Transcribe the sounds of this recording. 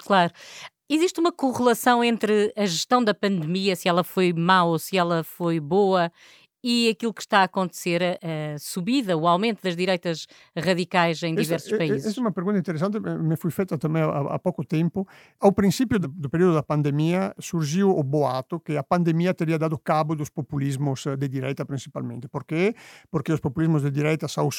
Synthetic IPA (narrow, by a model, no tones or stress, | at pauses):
klˠaɾu | iziʃt̪umɐkuʁɨlˠɐsɐ̃w̃ẽnt̪ɾɨɐʒɨʃt̪ɐ̃w̃d̪ɐpɐ̃nd̪ɨmiɐsɨɛlˠɐfojmalˠosɨɛlˠɐfojβoɐ | iɐkilˠukʃt̪aːkõnt̪seɾɐʔɐsuβiðɐuawmẽnt̪uðɐʒðiɾɐjt̪ɐʃ | ʁɐðikajzɐ̃j̃d̪ivɛɾsuuʃpɐizɛsumɐpeɾɣũnt̪ɐĩt̪eɾes̬ãnt̪emefujfɛjt̪ɐt̪ɐmɛ̃j̃aa̰a̰pɔkot̪ẽmpo | awpɾĩnsipjod̪d̪opeɾiod̪od̪ɐpãnd̪emiɐsuɾʒiwoboat̪okeɐpãnd̪emiɐt̪eɾiɐd̪ad̪okaβod̪ospopulizmʊzd̪ed̪iɾɛjt̪ɐpɾĩnsipa̰lmḛ̃nt̪e̥poɾkepoɾkeospopulizmʊzd̪ed̪iɾɛjt̪ɐsaws